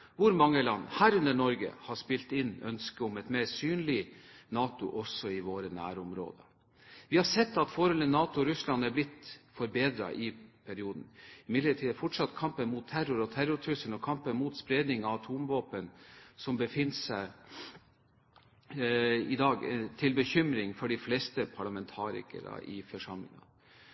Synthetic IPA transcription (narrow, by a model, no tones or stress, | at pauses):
ʋʊɾmɑŋːəlɑnːhæːɾʉnəɳɔɾɡə̰hɑʂpɪlt̪ɪnːœ̰nskəʊmɛt̪meːɾsyːnlɪnɑːt̪ʊ̰ʔɔsːɔɪʋoːɾənæ̰ːɾʊmɾo̰ːd̪ə | ʋɪhɑɾsɛt̪ːɑt̪fɔːɾhɔlənːɑːt̪ʊɾʉslɑnæɾblɪt̪fɔɾbeːd̪ɾɑ̰ʔɪpʰæɾɪuːd̪n̩ɪmɪd̪ləʈʰiːd̪əfɔʈʂɑt̪ːkʰɑmpənmuːt̪ʰːæɾʊɾɔt̪ʰæɾʊʈʰʉsənɔkʰɑmpənmuːt̪spɾed̪nɪŋɑɑt̪ʰuːmʋoːpənsɔmbəfɪnːsæɪ | ɪd̪ɑːɡt̪ʰɪlbəçʏmɾɪŋfɔɖɪflest̪əpʰɑɭɑmɛnt̪ʰɑːɾɪ̰kə̰ɾɑ̰ʔɪ̰fɔʂɑmlɪ̰ŋɑ̰